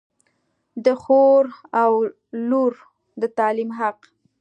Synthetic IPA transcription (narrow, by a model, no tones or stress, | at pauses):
d̪əxoɾaw | luɾ | d̪ət̪ɑlimɦaq